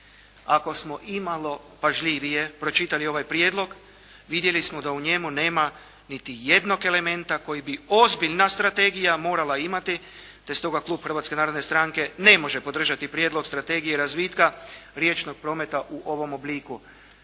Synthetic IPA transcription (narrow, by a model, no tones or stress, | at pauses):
ako̞smo̞ʔimalo̞ | paʒʎiʋije̞pɾo̞t͡ʃit̪alio̞ʋajpɾjed̪lˠo̞ɡ | ʋid̪je̞lismo̞d̪auɲe̞mune̞ːma | nit̪ije̞d̪no̞ke̞le̞me̞nt̪ako̞jibio̞zbiʎnast̪ɾat̪e̞ɡijamo̞ːɾalaimat̪i | t̪e̞st̪o̞ɡaklˠuːbxr̩ʋaːt̪skenaːɾod̪nest̪ɾaŋke̞ne̞mo̞ʒe̞po̞d̪r̩ʒat̪ipɾje̞d̪lo̞ɡst̪ɾat̪e̞ɡijeɾazʋiːt̪kaɾje̞t͡ʃno̞ɡ̥̚pɾo̞ːme̞t̪aʔuʔo̞ʋo̞mo̞bliːku